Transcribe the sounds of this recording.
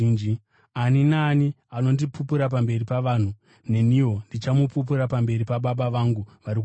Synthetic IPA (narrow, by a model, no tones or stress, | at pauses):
nd͡ʒi | aninaːni | ano̞ndipupuɾap̬ambe̞ripaʋan̤u | ne̞niwo̞ndit͡ʃamupup̬uɾapambe̞ɾipaɓaɓaʋaŋɡuʋaɾik